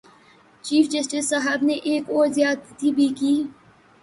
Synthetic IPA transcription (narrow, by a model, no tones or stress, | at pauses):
t͡ʃiːfd͡ʒɐsʈɪsːaɦəbneʔeːkɔːɾzjaːd̪t̪ʰibʱikiː